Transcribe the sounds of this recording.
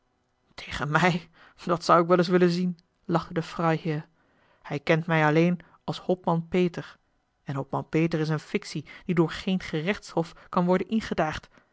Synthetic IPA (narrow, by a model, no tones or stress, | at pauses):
tʰejχənmɛj | dɑtsʌwɪk̬ʋɛlɪs̬ʋɪlənzin | lɑχtədəfrɑjhɪːɹ | hɛjkɛntmɛjɑlejn | ɑlˠshɔpmɑnpejtəɹ | ɛnɦɔpmɑnpeːtəɹɪs̬ənfɪksid̥idʊːɹχejnχərɛχtshɔfkɑnʋɔɹdənʔɪnχədaːχt